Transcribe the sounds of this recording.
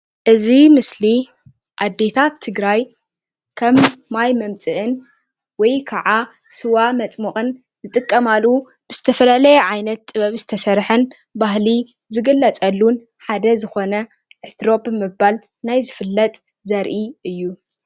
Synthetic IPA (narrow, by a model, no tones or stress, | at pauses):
ʔɨzimɨsli | ʔad̪ːe̞t̪ʰat̪ʰːɨɡɾaj | kʰɐmːajmɐmt͡sʼɨʔɨn | wɔjkʰaʕa | sɨwamɐt͡sʼmuxʼɨn | z̥ɨt̪ʼɨkʼːɐmalu | b̥ɨzɨt̪ʰɐfɐlalɐjɛʕajnɐt̪ːʼɨβɐβzɨt̪ʰɐsɐɾħɨn | baɦli | zɨɡɨlːɐt͡sʼɐlːun | ħad̪ɐzɨxo̞nɐ | ʕɨt̪ʰɾo̞bɨmɨbal | najzɨfɨlːɐt̪ʼ | zɐɾʔiʔɨjːu